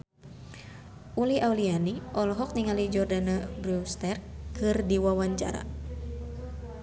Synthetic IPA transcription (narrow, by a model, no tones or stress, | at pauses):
ʔuliʔaulianiʔɔlɔɦɔk̚niŋalid͡ʒɔrdanabɾust̪ɛrkɨrdiwawaɲt͡ʃa̰ɾa̰